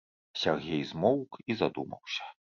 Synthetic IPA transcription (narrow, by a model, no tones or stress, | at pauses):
sʲarɣʲɛjzmɔwkizad̪umɐ̰wsʲɐ̥